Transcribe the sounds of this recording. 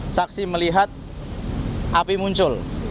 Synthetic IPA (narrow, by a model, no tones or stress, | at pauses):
saksiməliɦat̪̚ | ʔapimuɲt͡ʃʊl